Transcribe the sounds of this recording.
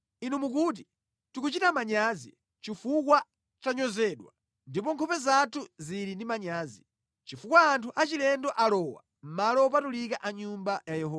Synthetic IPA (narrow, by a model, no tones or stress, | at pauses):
inumukut̬i | tukut͡ʃitamaɲaːzḭ | t͡ʃifukwa | t͡ʃaɲɔzɛɗwa | ndipɔŋkʰɔpɛzatʰuziɾindimaɲaːzi | t͡ʃifukwaːntʰuʔat͡ʃilɛndɔʔalɔːwa̰ | m̩malɔːp̬atulikaʔaɲumbajajɛɦɔ